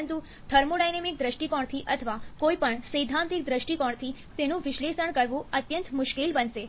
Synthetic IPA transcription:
ənt̪u | t̪ʰəɾmoɽajnemik̚d̪ɾəʃʈikɔɳ̃t̪ʰiʔət̪ʰəʋakoipəɳsəjd̪ʱãnt̪ik̚d̪ɾəʃʈikɔɳt̪ʰi | t̪enũʋɪʃlesəɳkəɾʋũət̪jənt̪mʊʃkilbənʃe

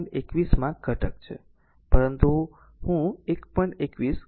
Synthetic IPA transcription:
ekʋismãkʰəʈək̚t͡ʃʰḛ | pəɾənt̪u | hũekpəɳekʋis

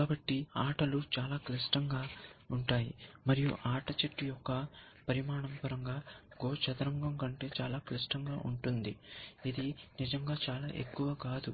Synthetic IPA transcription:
kaːbɐʈːiaːʈɐlut͡ʃaːlaːklɐsʈɐŋɡaːuɳʈaːjḭmɐɾijṵʔaːʈɐt͡ʃɐʈːijɔkːɐ | pɐɾimaːɳɐmpɐɾɐŋɡaːɡoːt͡ʃɐt̪ɐɾɐŋɡɐmkɐɳʈe̞ːt͡ʃaːlaːklisʈɐŋɡaːʔuɳʈund̪iid̪inid͡ʒɐŋɡaːt͡ʃaːlaːʔe̞̰kːuʋɐkaːd̪u

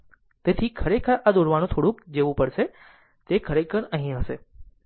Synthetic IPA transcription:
t̪et̪ʰikʰəɾekʰaʔad̪ʊɾʋañũt̪ʰoɽũkd͡ʒeʋũpəɽʃe | t̪ekʰəɾekəɳə̃ɦĩɦəse

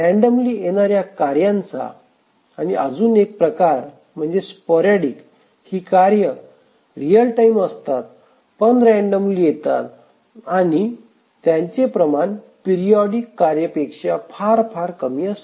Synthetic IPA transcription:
ɾɛ̃ɳɖəmliːeɽ̃aɾjakaɾjãnt͡sa̰ː | niəd͡zuːnek̚pɾəkaɾ | m̤əɳd͡zespɔɾaɽik | hiːkaɾjə | ɾijəlʈaiməst̪at̪̚ | pənɾɛ̃ɳɖəmliːjet̪a̰t̪ | ani | t̪jãɲt͡ɕepɾəmaɳ | piɾijɔɽikːaɾjəpekʂafʰaɾfʰaɾkəmiəst̪

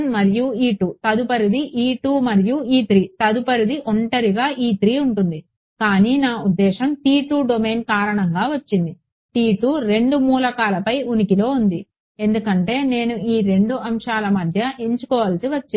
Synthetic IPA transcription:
mmɐɾijuiːʈuːt̪ɐd̪upɐɾid̪iʔiːʈuːmɐɾijuiːt̪ɾiːt̪ɐd̪upɐɾid̪iʔoɳʈɐɾiɡaːʔiːt̪ɾiːuɳʈund̪i | kaːniːnaːud̪ːɛːʃɐmʈiːʈuːɖome̞ːnkaːɾɐɳɐŋɡaːʋɐt͡ʃːind̪i | ʈiːʈuːɾe̞ɳɖumuːlɐkaːlɐpɐjunikilo̞ːund̪i | e̞nd̪ukɐɳʈe̞ːne̞ːnuiːɾe̞ɳɖuɐmʂaːlɐmɐd̪ʱjɐʔeɲt͡ʃukɔːʋɐlɐsiʋɐt͡ʃː

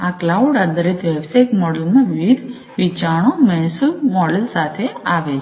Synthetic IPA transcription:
aklauɖad̪əɾit̪ʋɛbsakmɔɽəlmãʋiʋid̪ʱ | ʋit͡ʃaɳ̃omɛ̃suɾmɔɽəlsat̪ʰeaʋet͡ʃʰ

